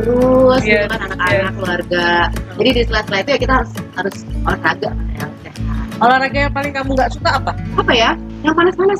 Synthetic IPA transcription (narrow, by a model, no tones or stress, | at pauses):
t̪əɾʊsukananakanakːəluarɡad͡ʒadidist̪əlahst̪əlaɦit̪ujakit̪aɦaɾʊshaɾʊsolakaɡakana̰ja | aaolahɾaɡajaŋpalɪŋkamuŋɡaʔsut̪aːpaapaja | jaŋpanaspanas